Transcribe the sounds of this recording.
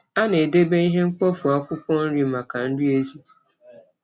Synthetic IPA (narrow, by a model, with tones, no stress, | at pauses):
a˦ne˨de˦be˦i˦ɦe˦ŋ͡m̩˦k͡pɔ˦fu˨a˦kʊ˦kɔ˦n̩˦ɾi˦ma˨ka˨n̩˦dʊ˦e˦zi˦